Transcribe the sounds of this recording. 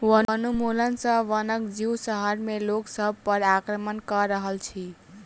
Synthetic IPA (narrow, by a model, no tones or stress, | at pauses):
uəənumulənsə̃ʋənəkd͡ʒiwsəɦəɾmeloksəb̚ʱpəɾakɾəmənkəɾəɦəlt͡ʃʰi